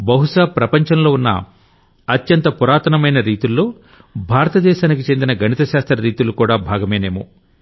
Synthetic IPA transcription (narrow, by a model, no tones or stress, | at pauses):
bɐɦuʂaːpɾɐpɐɲt͡ʃɐnlo̞ːunːɐ̰ | ɐt̪jɐnt̪ɐpuɾaːt̪ɐnɐmɐjnɐɾiːt̪ulːo̞ː | bʱaːɾɐt̪ɐd̪ɛːʃaːnikit͡ʃe̞nd̪inɐɡʱɐnit̪ɐʃaːst̪ɾɐɾiːt̪ulukuːɽaːbʱaːɡɐmeːneːmo